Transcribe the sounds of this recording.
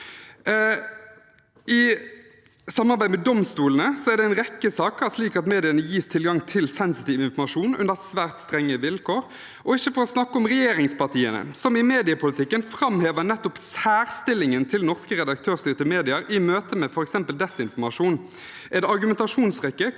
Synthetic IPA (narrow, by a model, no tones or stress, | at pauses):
ɪ | sɑmɑʁbæɪmɛd̪ɔmst̪uːlənəsɔæʁd̪ɛɪnʁɛkːəsɑːkəsliːkɑt̪meːd̪ɪənəjiːst̪ʰɪlɡɑŋt̪ʰɪlsɛnsɪt̪iːʋɪnfɔmɑʂuːnʉ̰nəsʋæːʁt̪st̪ʁɛŋːəʋɪlkʰoːɾ | ʔɔɪçːəfɔɾɔsnɑkːəɔmʁɛjeːɾɪŋspɑʁt̪ʰiːənə̰sɔmɪmeːd̪ɪəpʰʊlɪt̪ʰɪkːənfɾɑmheːʋənɛt̪ːɔpsæːʁst̪ɪlɪŋənt̪ʰɪlnɔʁskəʁɛd̪ɑk̚t̪ʰøːʁst̪yːʁt̪ɪmeːd̪ɪəɾɪmøːt̪əmɛfɔɾɛksɛmpəld̪ɛsɪnfɔmɑʂuːn | ʔɛt̪ɑɾɡʉmɛnt̪ɑʂuːnsʁɛkːə